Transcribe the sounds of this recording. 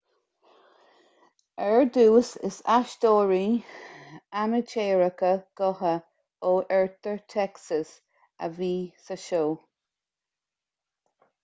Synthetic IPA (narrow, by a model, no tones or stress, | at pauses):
ɛɹd̪uːsɪsaʃtoːɹi | anət͡ʃeːɹəkəɡ̥ɔɦə | oːʔɛɹt̪əɹt̪ʰɛksəs | ə̰viːsəʃoː